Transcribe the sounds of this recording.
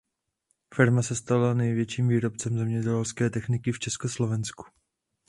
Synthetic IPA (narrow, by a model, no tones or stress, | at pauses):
fɪɾmasɛst̪alanɛjvjɛt͡ʃiːmviːɾo̞p̚t͡sɛmzɛmɲɛɟɛlskɛːt̪ɛxnɪkɪft͡ʃɛskoslo̞vɛnsku̥